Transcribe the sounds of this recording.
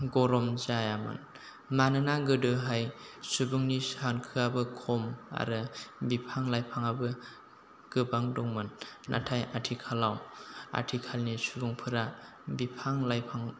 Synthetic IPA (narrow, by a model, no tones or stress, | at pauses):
ɡɔɾɔmzajamɯ̰n | manɯnaɡɯdɯɦajsubuŋnisankʰɯabɯkʰɔma̰ɾɯbipʰaŋlajpʰaŋabɯ | ɡ̥ɯbaŋdɔŋmɯnnʔa̰tʰajatʰikʰalawa̰tʰikʰalnisubuŋpʰɯɾa | bipʰaŋlajpʰaŋ